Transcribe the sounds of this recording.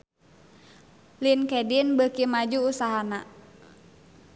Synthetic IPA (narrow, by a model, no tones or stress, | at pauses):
linkɛdinbəkimad͡ʒuːsaɦana